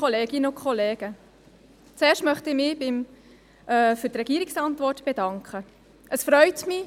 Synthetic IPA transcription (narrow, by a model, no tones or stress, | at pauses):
ɔleːɡɪnəʊkχɔleːɡ̥ə | t͡seːʃtmœχtɪmɪbɪm | ʔɛfʏɾtrɛɡ̥iːɾiksɑntʋɔrtb̥edɑŋkχə | ʔəsfɾœʏtmɪ